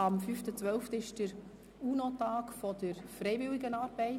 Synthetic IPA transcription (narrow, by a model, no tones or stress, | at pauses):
ɑmfyftət͡sʋœlftəɪʃd̥əɾ | uːnotaːkfɔdəɾfrɛɪvɪwɪɡənɑːɾb̥ɛɪ